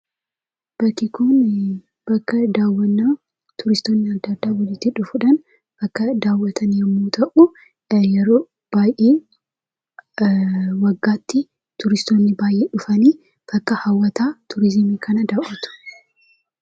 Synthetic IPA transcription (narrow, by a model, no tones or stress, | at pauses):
b̥ɐkːɪkʊn | b̥ɐkːɐd̪aːwːɐnːaː | t̪ʊɾɪst̪o̞ːnːɪɐd̪ːɐd̪ːaːwɐlɪt̪ːɪᶑʊfʊᶑɐn | b̥ɐkːɐd̪aːwːɐt̪ʰɐnimːoːt̪ʰɐʔʊ | jɛɾoː | b̥aːjʔeː | wɐɡːaːt̪ːɪ | t̪ʊɾɪst̪oːnːɪbaːjʔːeːᶑʊfɐniː | b̥ɐkːɐhɐwːɐt̪aːt̪ʰʊɾɪzɪmiːkʰɐnɐd̪aʔɐt̪ʊ̥